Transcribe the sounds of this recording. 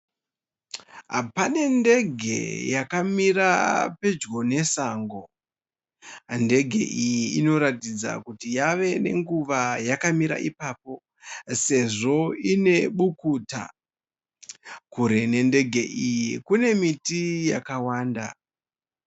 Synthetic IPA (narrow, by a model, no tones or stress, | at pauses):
ɦa̰pane̞nde̞ɡʱe̞̰jakamirape̞d͡ʒɡo̞ne̞saːŋɡo̞ | nde̞ɡʱe̞̰ʔijiːno̞ɾatid͡za̰kutijaʋe̞ne̞̰ŋɡuʋajakamiɾa̰ʔipaːp̚o̞ | se̞ʐo̞ine̞ɓukuːta̰ | kuɾe̞ne̞nde̞ɡʱe̞ʔijikune̞mitijakawaːnda̰